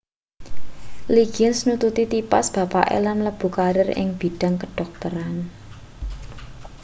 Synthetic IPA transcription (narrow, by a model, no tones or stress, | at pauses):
liɡ̥ənsnut̪ut̪it̪ipa̰sb̥a̤pa̰ʔḛlanləb̥ṳkaɾɪrɪ̰ŋb̥i̤ɖ̥a̤ŋkəɖ̥ɔ̤k̚t̪əɾan